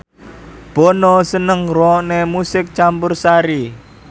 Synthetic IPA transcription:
b̥onɔsənəŋrɔnemusɪk̚t͡ʃampʊrsaɾi

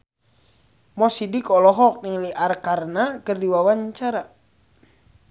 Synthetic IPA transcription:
mɔsidikɔlɔɦɔk̚niŋliʔarkarnakərdiwawaɲt͡ʃaɾa

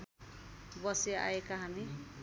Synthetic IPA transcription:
bʌsea̰ekaɦani

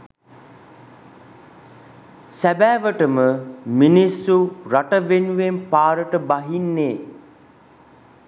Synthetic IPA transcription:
sæbæːʋəʈəməminisːuɾaʈəʋenuʋempaːɾəʈəbaɦinːeː

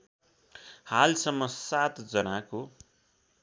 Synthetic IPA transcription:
halsʌmːʌsat̪d͡zʌnako

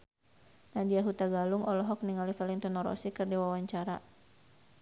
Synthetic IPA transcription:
nadiaɦut̪aɡaluŋɔlɔɦɔk̚niŋalifaliŋt̪unɔɾɔ̰sikɨrdiwawaɲt͡ʃaɾa̰

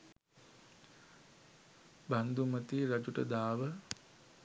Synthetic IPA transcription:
band̪umət̪iːɾad͡ʒuʈə̰d̪aːʋə

